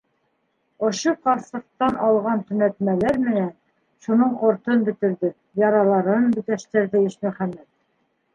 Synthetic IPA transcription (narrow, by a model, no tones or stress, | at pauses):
ŏʃoqɑɾsɤ̆q̚t̪ɑnɑlˠʁɑnt̪ɵ̆næt̪mælæɾmɘ̆næn | ʃunɤɴqŏɾt̪ɤnbɘ̆t̪ɘ̆ɾðɘ | jɑɾɑlˠɑɾɤnbɘ̆t̪æʃt̪ɘ̆ɾðɘiʃmɵ̆χæmːæt̪̚